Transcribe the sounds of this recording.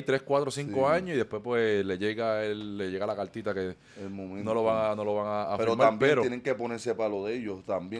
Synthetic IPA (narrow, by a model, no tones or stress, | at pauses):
jt̪ɾeskwat̪ɾosiŋkoaɲosiðe̞hpwespwesle̞ʝeɣaelːeʝeɣalakalt̪it̪ake | elmomẽnnoloβaŋanoloβaŋaːfpɾɾomaabjpeɾojeneŋkeponeɾsepaloðeʝost̪ambje